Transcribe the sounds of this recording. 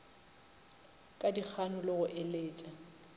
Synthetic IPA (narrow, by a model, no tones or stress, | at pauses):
kʼadik͡xʰanʊlɪɣʊʔeleːt͡ʃʼa